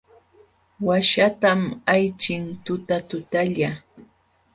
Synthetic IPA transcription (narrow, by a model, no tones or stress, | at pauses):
waʃat̪amajt͡ʃɪŋt̪ʊt̪at̪ʊt̪aʎa